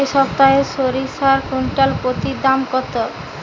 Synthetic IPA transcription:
eʃɔp̚t̪aeʃoɾiʃaɾkuɳʈalpɾot̪id̪amkɔt̪o

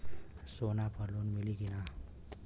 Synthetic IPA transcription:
sonabʰʱʌlonmiliɡina

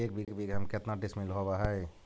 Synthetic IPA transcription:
ekbʱiɡkbʱiɡɦəmket̪naʈismilɦobaɦəj

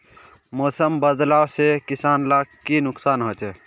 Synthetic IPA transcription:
mɔːsəmbəd̪laːwsekɪsaːnlaːkkːinʊksaːnɦot͡ʃɛː

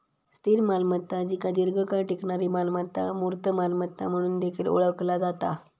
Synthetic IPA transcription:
st̪iɾmalmət̪ːãd͡ʑikad̪iɾɡʱəkaɳʈikɳaɾimalmət̪ːamuɾt̪əmalmət̪ːa̰m̤əɽ̃uːnd̪ekʰiːlo̰ɭəʋklad͡zat̪a

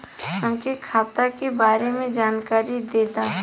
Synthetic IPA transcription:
əmkekʰaːt̪akebaːɾemẽd͡ʒaːnkaːɾid̪eːt̪aɦ

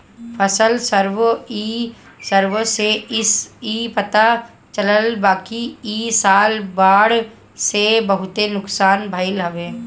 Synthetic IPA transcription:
pʰəsəlsəɾʋiː | səɾʋseɪsiːpɐt̪a | t͡ʃələlbaːkiiːsaːlbaːɽ | sebəɦʊt̪enʊksaːnbʱəɪlɦɐʋẽː

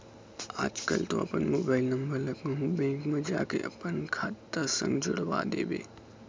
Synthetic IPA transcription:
aːd͡ʒkəlt̪oɐpənmoːbaːɪlnɐ̃mbəɾlɐkəɦũbɛ̃ːkmed͡ʒaːkeʔɐpənkʰaːt̪ːəsə̰̃ŋɡd͡ʒʊɽʋa̰d̪eːbḛː

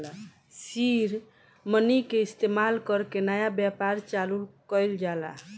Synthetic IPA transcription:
siɾ | mənikeist̪emalkəɾkenəjabjapaɾt͡ʃalulkəjld͡ʒala̰

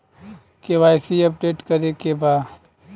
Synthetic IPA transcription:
keʋaːjsiɐp̚ɖeːʈkɐɾekebaːd̪

